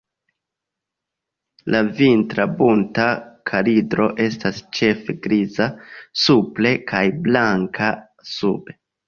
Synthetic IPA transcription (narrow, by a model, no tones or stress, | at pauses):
lʔavintɾabuntakʰalidɾo̞ʔe̞stast͡ʃe̞feɡɾizasuple̞kʰajblaŋkʰa | sube̞